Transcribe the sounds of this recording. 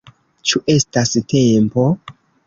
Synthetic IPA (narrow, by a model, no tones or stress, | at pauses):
t͡ʃuʔe̞staste̞mpo̞